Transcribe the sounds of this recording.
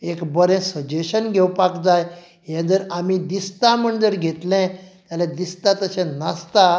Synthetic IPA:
ekbəɾɛ̃səd͡ʑeɕənɡʱewpakd͡zaj | ɦjãd͡zəɾamid̪ist̪aməɳd͡zəɾɡʱet̪lɛ̃t̪jalẽd̪ist̪at̪əsɛ̃nast̪a

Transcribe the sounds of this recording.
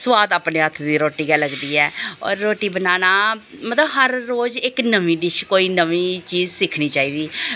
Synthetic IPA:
swaːd̪aːpneːət̪ʰd̪iːɾoːʈiːɡɛləɡd̪iːɛːɔ̰ːɾːoːʈiːbənaːnaːmət̪ləbɦəɾːoːzɪknəʋĩːɖɪʃkoːiːnəʋĩːt͡ʃiːzsɪkʰniːt͡ʃaːiːd̪iː

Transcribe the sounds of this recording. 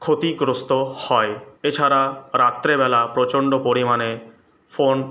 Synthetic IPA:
kʰot̪iɡɾost̪ohɔeet͡ɕʰaɾaɾat̪ːɾebɛlapɾot͡ɕoɳɖopoɾimane | fon

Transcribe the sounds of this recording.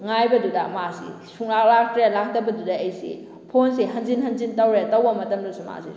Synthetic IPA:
ŋajbɐdudɐmasḭ | sʰuŋlak̚lak̚tɾealak̚dɐbɐdudɐejsḭ | pʰonsiɦɐnzinɦɐnzintɐwɾetɐwbɐmɐtɐmdusima̰sḭ

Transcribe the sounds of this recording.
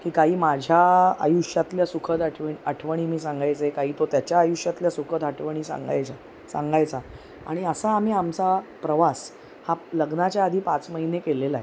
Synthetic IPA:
kiːkaɦiːmad͡ʑʱjaa̰juʂjat̪ljasukʰəd̪aʈʰʋəiəʈʰʋəɽ̃iːmiːsaŋɡajt͡sekaɦiːt̪ot̪jat͡ɕjaːjuʂjat̪ljasukʰəd̪əʈʰʋəɽ̃iːsa̰ŋɡa̰jt͡sa | sã̰ŋɡajt͡sa | a̰ɽ̃iəsaːm̤iːamt͡sapɾəʋas | haləɡnat͡ɕjaːd̪ʱiːpat͡sməɦinekelelae

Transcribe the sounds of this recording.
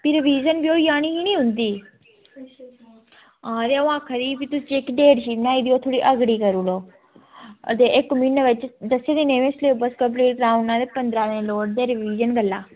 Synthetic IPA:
piɾʋiːzənbiojaːɽ̃iɦinĩɦũnd̪iː | ãːd̪eʋãːkʰəɾipit̪ust͡ʃekɖeːɖʃiːnaːid̪ijot̪ʰoːɽiʔəɡɽiːkəɾuloː | ə̰d̪eʔekminʋet͡ʃd̪ɐsed̪ineʋẽsleːbəskəbliːɾɡɾaːũɳãd̪epənd̪ɾanẽloːɽd̪eɾʋiːd͡ʒənɡəlaː

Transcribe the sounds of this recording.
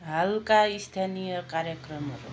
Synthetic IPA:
ɦalkaist̪ʰanijʌkaɾjʌkrʌmʌɾu

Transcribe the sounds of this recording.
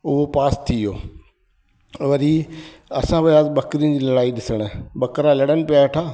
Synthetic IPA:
ʊɦopaːst̪ʰijo̰ː | ʋɐɾiɐsãʋɐjaːzɓɐkɾĩd͡ʑiːlɐlaːiɗɪsəɽ̃ɓɐkɾalɐɽənɪ̆pɪjaʈʰaː

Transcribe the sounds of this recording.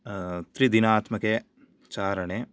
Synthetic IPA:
t̪ɾid̪inaːt̪mɐkeː | t͡ʃaːɾɐɳeː

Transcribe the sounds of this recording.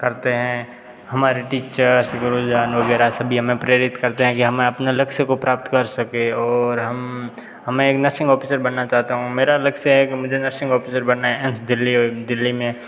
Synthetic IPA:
kɐɾt̪eɦɛ̃ | hɐmaːɾeʈiːt͡ʃəɾsɡʊɾod͡ʒd̪aːnʋɐɡɛːɾasɐbʱiɦɐmẽpɾeɾɪt̪kɐɾt̪eɦɛ̃kiɦɐmẽɐpnelɐkʃəkopɾaːp̚t̪kɐɾsɐkeɔːɾɦɐm | ɦɐmɛ̃eːknɐɾʃɪ̃ŋɡɔːpʰiːsəɾbɐnːat͡ʃaːɦt̪aɦũmeːɾalɐkʃəɦɛkimʊd͡ʒʱenɐɾʃɪ̃ŋɡɔːpisəɾbɐɳnːaɦɛɛmsd̪ɪlːid̪ɪlːimẽ

